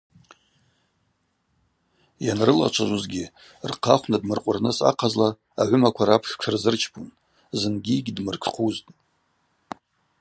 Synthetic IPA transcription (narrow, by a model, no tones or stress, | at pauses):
janrɨla̰t͡ʃʷʰaʒʷuzɡʲi | rqʰaχʷnadmɨrqʷʼʊrnɨsa̰qʰazla | aʕʷʊmakʷʰaɾapʰʂkʰarzɨrt͡ʃʰpʰʼun | zɨnɡʲiɡʲdmɨrkʰχʰuztʼ